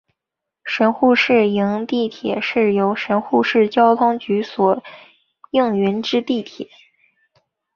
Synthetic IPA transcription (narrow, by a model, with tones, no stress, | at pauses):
ʂə˧˥nxu˥˧ʂɻ̩˥˩ji˧˥ŋt̪i˥˩t̪ʰjɛ˨˩ʂɻ̩˥˩jo˧˥ʊʂə˧˥nxu˥˧ʂɻ̩˥˩t͡ɕjɑ˥ʊt̪ʰʊ˥ŋt͡ɕy˧˥swɔ˨˩ | ji˥˩ŋɥɛ˧˥nʈ͡ʂɻ̩˥t̪i˥˩t̪ʰjɛ˨˩˦